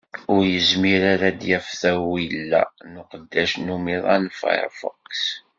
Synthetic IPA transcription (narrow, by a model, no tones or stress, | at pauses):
ʊɾjəzmiɾaɾæd̪jæfθæwilːæ̰nʊqəd̪ːæʃnumiðˤɑnfa̰j̰ɾfə̰qːs